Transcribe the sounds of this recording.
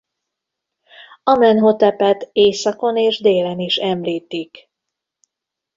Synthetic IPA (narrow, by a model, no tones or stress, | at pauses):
ɒmɛnɦo̞t̪ɛpɛt̪eːsɒko̞neːʒd̪eːlɛniʃɛmliːt̪ik